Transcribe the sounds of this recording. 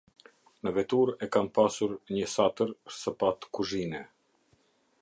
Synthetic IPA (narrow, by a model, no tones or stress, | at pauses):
nəvɛt̪uɾɛkampasuɾɲəsat̪əɾsəpat̪kuʒinɛ